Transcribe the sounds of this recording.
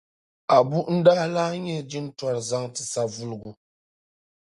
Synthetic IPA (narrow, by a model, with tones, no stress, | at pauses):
a˨bu˦ʔn̩˦da˦la˦ɲɛ˦d͡ʒi˦n˦twa˨ɾza˦ŋtɨ˨sa˦vu˦lɨ˨ɡu˨